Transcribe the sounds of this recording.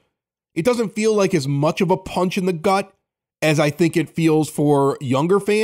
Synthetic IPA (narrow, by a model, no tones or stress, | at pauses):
ʔɨt̚d̥ʌzɨ̃ntfilaɪkɨzmʌt͡ʃʌvəpʰʌ̃nt͡ʃɨ̃nðɨɡʌɾ | ɨzaɪθɪ̃ŋkɨtfilˠz̥fə˞jʌ̃ŋɡə˞fæ̃